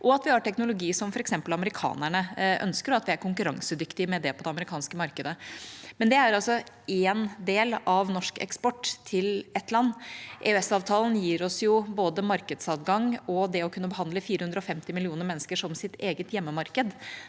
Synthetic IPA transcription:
ʔɔɑt̪ʋɪhɑɾʈʰɛknʊlʊɡiːsɔmfɔɾɛksɛmpəlɑməɾɪkʰɑ̰ːnæɳəʔœ̰nskəɾɑt̪ʋɪæɾkʰʊŋkʉɾɑŋsəd̪ʏkt̪ɪmɛd̪ɛpʰɔd̪ɛɑməɾɪkʰɑːnskəmɑɾkəd̪əmɛnd̪ɛæɾɑlsɔ | eːnd̪eːlɑʋnɔʂkɛ̰kspɔʈːt̪ʰɪlɛt̪lɑnːʔḛøɛsɑːʋt̪ʰɑːlnjiːɾɔsjʊboːd̪əmɑɾkəd̪sɑt̪ɡɑŋɔd̪ɛɔkʰʉnːəbəɦɑnd̪ləfiːɾəhʉnd̪ɾɔfɛmt̪ɪmɪlɪuːnəɾmɛnːəskəʂɔmsɪt̪eːɡət̪jɛmːəmɑɾkəd̪

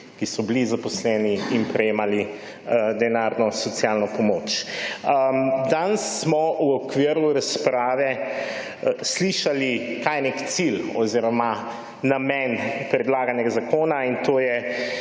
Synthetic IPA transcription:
kisɔbilizapɔslɛːniinpɾɛjeːmali | d̪ɛnaːɾnɔsɔt̪sjalnɔpɔmoːt͡ʃəd̪ansːmɔuɔkʋiːɾuɾaspɾaːʋɛ | sliʃalikajɛnekt̪silɔ̰ziːɾɔma | namɛnpɾɛd̪laːɡanjɛɡazakoːnaint̪oːjɛ

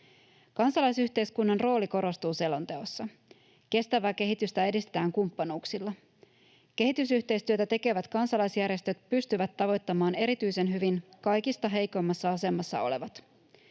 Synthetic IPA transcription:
kɑnsɑlɑjsyçt̪e̞jskunːɑnro̞ːliko̞ɾo̞st̪uːse̞lont̪e̞o̞sːɑ | ke̞st̪æʋæːke̞ɦit̪yst̪æe̞dist̪e̞t̪æːŋkumpːɑnuːksilːɑ | k̟e̞ɦit̪ysyht̪e̞jst̪yøt̪æt̪e̞ke̞ʋæt̪kɑnsɑlɑjsjærje̞st̪ø̞t̪̚pyst̪yʋæt̪ːɑʋo̞jt̪ːɑmɑːne̞ɾit̪yjse̞nɦyʋinkɑjkist̪ɑɦe̞jko̞mːɑsːɑɑse̞mːɑsːɑ̰o̞̰le̞ʋɑt̪

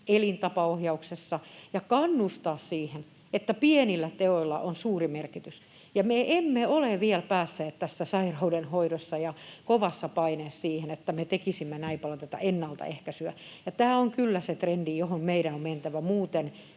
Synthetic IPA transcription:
elint̪ɑpɑohjɑuksesːɑjɑkɑnːust̪ɑːssiːhen | et̪ːæpienilːæt̪eoilːɑ̰ʔonsuːrimerkit̪ys | jɑmeʔemːeoleʋielpæːsːeːt̪t̪æsːæsɑirɑudenhoidosːɑjɑkoʋɑsːɑpɑineːssiːhenet̪ːæmet̪ekisimːenæipɑlɑt̪æt̪ɑ̰enːɑlt̪ɑ̰ehkæsyæjɑt̪æːoŋkylːæset̪rendijohommeiɾænomment̪æʋæmuːt̪en

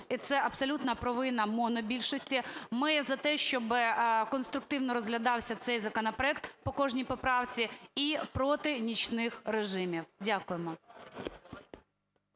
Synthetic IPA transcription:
it̪sɛʔɐbsɔlʲut̪nɐpɾɔʋɪnɐmɔnɔbʲilʲʃɔsʲtʲimɪzɐt̪ɛʃt͡ʃɔbɪkɔnst̪ɾʊk̚t̪ɪwnɔɾɔzɦlʲɐd̪ɑwsʲɐt̪sɛjzɐkɔnɐpɾɔɛk̚t̪pɔkɔʒnʲijpɔpɾɑwt͡sʲiipɾɔt̪ɪnʲit͡ʃʲnɪxɾeʒɪmʲiwdʲakʊjemɔ

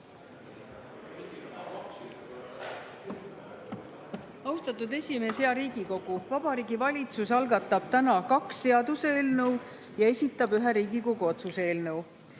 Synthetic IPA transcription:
ɑwst̪ɑt̪ːˑud̪e̞sʲimeseɑɾiːɡ̥iko̞ɡ̥uvɑb̥ɑɾiːɡivɑlʲit̪susɑlɡɑt̪ːˑɑb̥̚t̪ænɑkɑksːe̞ɑd̪useːlnɤw | jɑe̞sʲit̪ːˑɑbyɦeɾiːɡiko̞ɡ̥uo̞t̪suse̞ːlnɤw

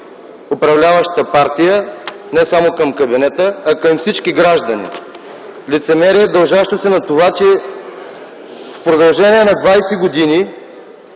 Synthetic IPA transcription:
opɾɐvlʲavəʃt̪əpaɾt̪ijə | nɛsamokɐmkɐbinɛt̪əːkɐmfsit͡ʃkiɡɾaʒd̪ɐnḭ | lit̪sɛmɛɾiɛd̪ɐlˠʒaʃt̪osɛnɐt̪ovat͡ʃɛ | fpɾod̪ɐlˠʒɛniɛnɐd̪vajsɛɡod̪ini

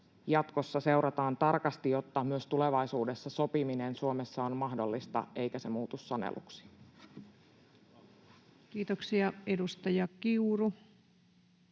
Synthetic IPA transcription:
jɑt̪ko̞sːɑse̞uɾɑt̪ɑːnt̪ɑrkɑst̪ijot̪ːɑmyøst̪ule̞ʋɑisuːde̞sːɑso̞piminensuome̞sːɑonmɑhdo̞lːist̪ɑ̰ʔe̞jkæse̞muːt̪usːɑnḛlṵksi̥ | kiːt̪oksiɑedust̪ɑjɑkiuru

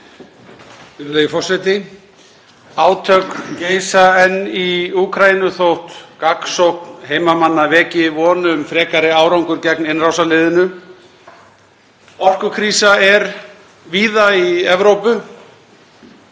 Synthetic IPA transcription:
ɪɾlejɪfɔr̥sɛjt̪ɪ | aːwt̪ʰœkceːjsaɛnːiuːkʰɾajinʏθowht̪kaksowknheːjmamanːavɛːcɪvɔːnʏʏmfɾɛːkaɾɪaːwɾawŋkʏɾcɛknɪnrawsalɪːðɪnʏ | ɔr̥kʏkʰɾiːsaɛɾ | viːðaiɛvɾowpʏ

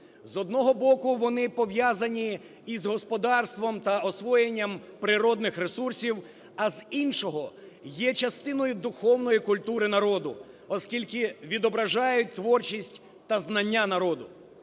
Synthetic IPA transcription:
zɔd̪nɔɦɔbɔkʊʋɔnɪpɔʋjazɐnʲi | izɦɔspɔd̪ɑrst̪ʋɔmt̪ɐɔsʋɔjenʲːɐmpɾɪɾɔd̪nɪxɾesursʲiw | ɐzinʃɔɦɔ | jɛt͡ʃɐst̪ɪnɔjʊd̪ʊxɔwnɔjikʊlʲt̪uɾɪnɐɾɔd̪ʊ | ɔskʲilʲkɪʋʲid̪ɔbɾɐʒɑjʊt̚ʲt̪ʋɔrt͡ʃisʲtʲ | t̪ɐznɐnʲːanɐɾɔd̪ʊ

